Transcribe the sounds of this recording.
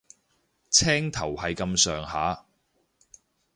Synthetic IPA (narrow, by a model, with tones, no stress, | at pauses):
t͡sʰɛː˥ŋt̪ʰɐ˨˩whɐ˨jkɐ˧msœː˨ŋhaː˨˥˦